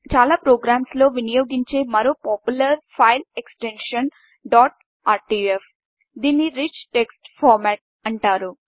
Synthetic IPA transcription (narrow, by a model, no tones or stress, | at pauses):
t͡ʃaːlaːpɾoːɡɾaːmslo̞ːʋinijoːɡiɲt͡ʃe̞ːmɐɾoːpaːpjulɐɾpʰɐjleksʈeɳʂɐn | ɖaːʈ̚ | aːɾʈiːef | d̪iːnːiɾit͡ʃʈeksʈpʰɔːɾmɛːʈ̚ | ɐɳʈaːɾu